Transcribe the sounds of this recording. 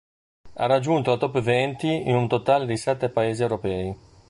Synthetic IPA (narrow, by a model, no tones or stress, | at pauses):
a̰rad͡ʒːunt̪olat̪ɔpːevɛnt̪iinunt̪ot̪aːled̪isɛt̪ːepaeːziewɾopɛːi